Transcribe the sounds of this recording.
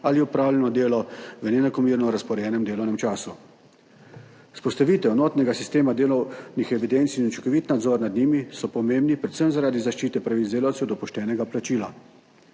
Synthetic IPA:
aliupɾaːwlɛnɔd̪eːlɔʋənɛnakɔmiːɾnɔɾaspɔɾjɛːnɛmd̪eːlɔwnɛmt͡ʃaːsu | spɔst̪aʋiːt̪ɛwnoːt̪nɛɡasist̪eːmad̪eːlɔwnixɛʋid̪ent̪siint͡ʃɔkɔʋiːt̪nad̪zɔːɾnad̪niːmisɔpɔmeːmbnipɾɛt̪səmzaɾaːd̪izaʃt͡ʃiːt̪ɛpɾaʋit̪zd̪eːlawt̪sɛwd̪ɔpɔʃt̪ɛːnɛɡaplat͡ʃiːla

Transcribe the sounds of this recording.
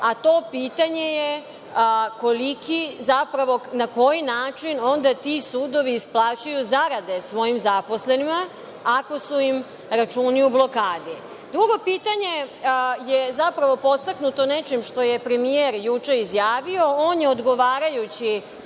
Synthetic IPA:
at̪o̞piːt̪aɲe̞je | ko̞likizapɾaʋo̞nako̞jinaːt͡ʃino̞nd̪at̪isuːd̪o̞ʋiːsplˠaːt͡ɕujuzaɾad̪e̞sʋo̞jimzapo̞sle̞nimaː | ko̞suim | ɾat͡ʃuːniublˠo̞kaːd̪i | d̪ɾuɡo̞piːt̪aɲe̞jezapɾaʋo̞po̞t̪saknut̪o̞net͡ʃimʃt̪o̞je̞pɾe̞mieɾjut͡ʂeizjaːʋio̞oːnjeod̪ɡo̞ʋaːɾajut͡ɕi

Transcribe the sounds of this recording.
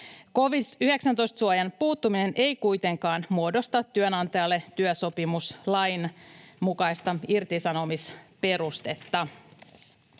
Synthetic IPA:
ko̞ʋisyɦe̞ksænt̪o̞jst̪suojɑnpuːt̪ːumine̞nʔe̞jkujt̪e̞ŋkɑːnmuo̞do̞st̪ɑt̪ːyønɑnt̪ɑjɑlːe̞t̪yøso̞pimuslɑjnmukɑjst̪ɑirt̪isɑno̞mispe̞ɾust̪e̞t̪ːɑ

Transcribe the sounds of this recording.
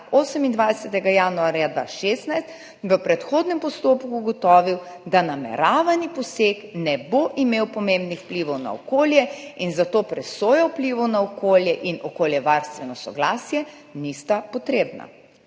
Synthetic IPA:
oːsɛmind̪ʋajsɛt̪ɛɡajaːnuaːɾjad̪ʋa̰ːʃest̪najst̪ | ʋəpɾɛt̪xoːd̪nɛmpɔst̪oːpkuːɡɔt̪ɔːʋiw | d̪anamɛ̰ɾaːʋanipɔseːknɛboʔimewpɔmẽmbnixwpliʋɔwna̰ɔ̰koːljɛinzat̪oːpɾɛsoːjɛwpliʋɔwnaɔkoːljɛʔinɔkoːljɛʋaɾst̪ʋɛnɔsɔɡlaːsjɛ | nist̪apɔt̪ɾeːbna̰

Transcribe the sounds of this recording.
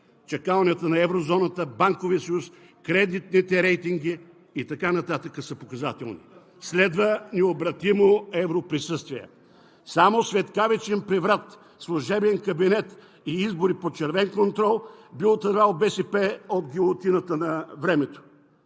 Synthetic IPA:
t͡ʃɐkavˠnʲiət̪ənɐɛvɾozɔnət̪əbaŋkoviəsɐjus | kɾɛd̪it̪nit̪ɛɾɛjt̪iŋɡiː | t̪ɐkanɐt̪at̪əkəsɐpokɐzat̪ɛ̰lˠnḭ | slɛd̪vəniobɾɐt̪imoɛvɾopɾisɤst̪viə̰ | samosvɛt̪kavɛt͡ʃɛnpɾɛvɾat̪ | slˠʊʒɛbɛnkɐbinɛt̪ | iizboɾipot͡ʃɛɾvɛnkont̪ɾɔlˠbilˠot̪ɐɾvalˠbɛsɛpɛod̪̚ɡʲilˠot̪inət̪ənɐvɾɛmɛt̪o̥

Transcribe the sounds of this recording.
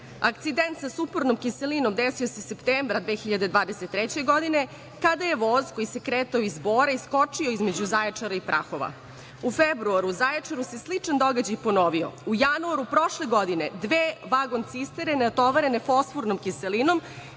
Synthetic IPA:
akt̪sid̪ent̪sasupoɾnomkiselino̞md̪esiosesept̪eːmbɾad̪ʋeːxiʎad̪ed̪ʋaːd̪eset̪ːɾɛt͡ɕeɡod̪ine̞ | kad̪aje̞ʋozkojise̞kɾeːt̪aoizboːɾaisko̞t͡ʂioizme̞d͡ʑuzajet͡ʂaɾaipɾʔa̰xoʋa̰ | ufebɾuaɾuzajat͡ʂaɾuseslit͡ʂand̪oɡad͡ʑajponoʋio̰ujanuaɾupɾoʃleɡod̪ined̪ʋeːʋaɡo̞nt̪sist̪eɾenat̪oʋaɾenefosfuɾnomkiselino̞m

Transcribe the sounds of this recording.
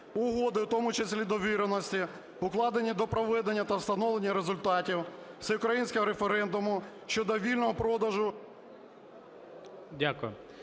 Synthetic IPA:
ʊɦɔd̪ɪwt̪ɔmʊt͡ʃesʲlʲid̪ɔʋʲiɾenɔsʲtʲi | ʊklˠɑd̪enʲːid̪ɔpɾɔʋɛd̪enʲːɐt̪ɐwst̪ɐnɔʋlˠenʲːɐɾezʊlʲt̪ɑtʲiwsɛʊkɾɐjinʲsʲkɔɦɔɾefeɾɛnd̪ʊmʊ | ʃt͡ʃɔd̪ɔʋʲilʲnɔɦɔpɾɔd̪ɐʒʊ | dʲakʊjʊ

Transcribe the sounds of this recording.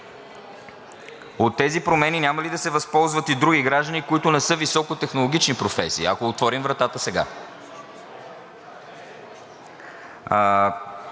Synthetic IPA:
ot̪ːɛzipɾomɛninʲjamɐlid̪ɐsɛvɐspɔlˠzvət̪id̪ɾuɡʲiɡɾaʒd̪ənikoit̪ʊnɛsɤvisɔkot̪ɛxnolˠoɡ̟ʲit͡ʃnipɾofɛ̰sḭːɐ̰koːt̪vɔɾimvɾɐt̪at̪əsɛɡa̰

